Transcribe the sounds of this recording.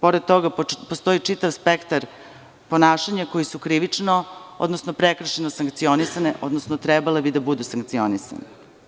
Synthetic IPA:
po̞ɾd̪̚t̪o̞ɡapost̪o̞it͡ʂit̪aʋspekt̪aɾ | po̞naːʃaɲako̞jisukɾiʋit͡ʂnoo̰d̪nosnopɾekr̩ʃenosaŋkt̪sio̞nisaneʔod̪nosnot̪ɾɛbalebid̪abud̪usaŋk̚t̪sio̞nisa̰ni

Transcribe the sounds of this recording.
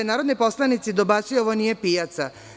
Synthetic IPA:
enaːɾod̪nipo̞slˠanit̪sid̪obat̪sijoʋonijepiːjat̪sa

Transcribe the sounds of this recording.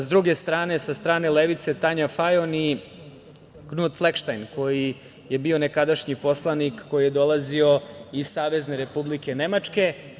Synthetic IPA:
zd̪ɾuɡe̞st̪ɾaːne̞sast̪ɾaːne̞leʋit̪se̞t̪aɲafajoni | ɡnud̪flˠekʃt̪ajnko̞ji | je̞bio̞ne̞kad̪aʃɲipo̞slˠanikːo̞jije̞d̪o̞lˠazio̞izsaːʋe̞zne̞ɾe̞publike̞ne̞mat͡ʂke̞

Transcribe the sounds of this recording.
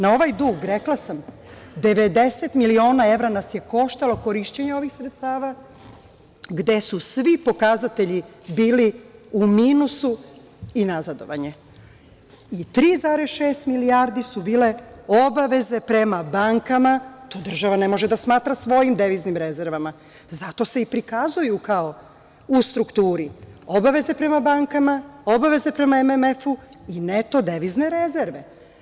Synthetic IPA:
nao̞ʋajd̪uːɡɾeklasam | d̪e̞ʋed̪e̞set̪milio̞ːnae̞ʋɾanasje̞ko̞ʃt̪alo̞ko̞ɾiʃt͡ɕeɲeo̞ʋixsɾet̪st̪aːʋa | ɡd̪e̞susʋipo̞kazat̪e̞ʎibiːliumiːnusu | inazad̪o̞̰ʋaɲe | it̪ɾiːzaɾesʃeːst̪miliaːɾd̪isubiːle̞o̞baʋe̞ze̞pɾe̞mabaːŋkamat̪o̞ːd̪r̩ʒaʋane̞mo̞ʒed̪asmaːt̪ɾasʋo̞jimd̪e̞ʋiznimɾeze̞ɾʋama | zat̪o̞se̞ipɾikazujukao̞ | ust̪ɾukt̪uːɾio̞baʋe̞ze̞pɾe̞mabaːŋkamao̞baʋe̞ze̞pɾe̞maememe̞fuinet̪o̞d̪e̞ʋizne̞ɾe̞ze̞ɾʋe̞

